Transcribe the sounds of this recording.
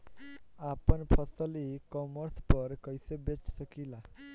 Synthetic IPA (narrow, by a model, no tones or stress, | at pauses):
apɔnpʰɔsɔlikɔmɔɾspɔɾkɔjsebet͡ʃsɔkila